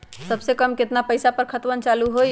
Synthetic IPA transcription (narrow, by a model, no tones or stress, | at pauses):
səbsekəmket̪napəjsapəɾkʰət̪ʋənt͡ʃaluɦoj